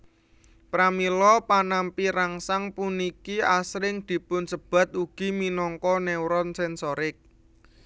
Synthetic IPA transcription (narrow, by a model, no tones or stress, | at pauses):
pɾamilɔpanampiɾaŋsaŋpunikiasɾɪŋd̪̥i̤pʊnsəb̥ä̤t̪̚uɡ̥i̤minɔŋkɔnɛwɾɔnsɛnsɔɾɪk̚